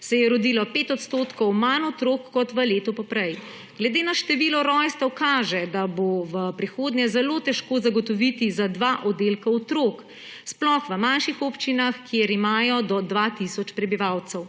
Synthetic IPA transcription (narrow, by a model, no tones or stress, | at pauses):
sɛjɛɾɔd̪ilɔpeːt̪ɔt̪st̪oːt̪kɔwmanɔt̪ɾokːɔt̪ʋəleːt̪ɔpɔpɾɛj | ɡ̥lɛd̪eːnaʃt̪ɛʋilɔɾɔjst̪ɛwkaːʒɛd̪aboʋəpɾixoːd̪njɛzɛlot̪ɛʃkoːzaɡɔt̪ɔʋit̪izad̪ʋaʔɔd̪elkaɔt̪ɾoːk | splɔxʋəmanʃixopt͡ʃinaxkjeɾimaːjɔd̪ɔd̪ʋat̪isɔt͡ʃpɾɛbiʋawt̪sɛw